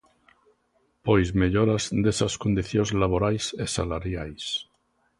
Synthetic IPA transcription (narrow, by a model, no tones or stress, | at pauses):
pojzmeʎoɾazd̪esaskond̪iθjozlaβ̞oɾajsesalaɾjajs